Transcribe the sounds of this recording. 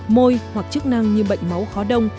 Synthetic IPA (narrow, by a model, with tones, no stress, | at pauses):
mo˧jhwa˨˩k̚t͡ɕɨ˦˥k̚na˧ŋɲɨ˧ɓə̰˧˨jŋ̟ma˨˦wxɔ˨˦ɗə˧wŋ͡m